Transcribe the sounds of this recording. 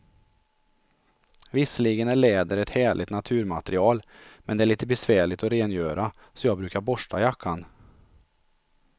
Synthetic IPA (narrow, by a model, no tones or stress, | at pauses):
vɪsəliːɡənæɭeːd̪əɾɛt̪hæːɭʔɪt̪nat̪ʰʉ̟ːɾmat̪ɾɪɑːlmɛnd̪ɛæɭiːt̪əbɛsvæːɭɪt̪ɔɾeːnjøːɾa | sɔjɑːɡbɾʉ̟ːkaɾbɔʂʈʰajakʰːan